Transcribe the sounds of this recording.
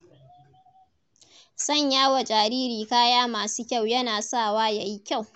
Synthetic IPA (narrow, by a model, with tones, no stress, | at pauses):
sɐ˦˨ɲjaː˦wa˨d͡ʒʼaː˨ɾiː˦ɾiː˨kaː˦jaː˦maː˨suː˦kʲa˦˨wjɐ˦naː˨saː˦˨waː˦ja˨ji˦kʲa˦˨w